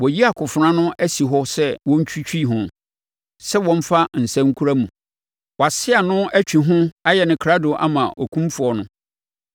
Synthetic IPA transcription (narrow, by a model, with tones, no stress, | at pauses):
wɔ˨ji˦a˨kʰʊ˨fɾã˦nʊ̃˦ʔæ˦si˨ɦɔ˦sɛ˦wɔ̃˦ɲ˦t͡ɕᶣʰi˦t͡ɕʰᶣi˦˨ɦʊ̃˨ | sɛ˦wɔ̃˦m˦fa˦n̩˨sæ̃˦ŋ˦kʰu˦ɾa˦mũ˨ | wɔ˨a˨sɪ˦a˨nʊ̃˦æ˦t͡ɕᶣi˨ɦʊ̃˦a˦jɛ˨nɪ̃˨kʰɾa˦dʊ˨ʔa̰˦mã˨ʔɔ˨kʰũ˦m˦fʊ˨ɔ˨nʊ̰̃˦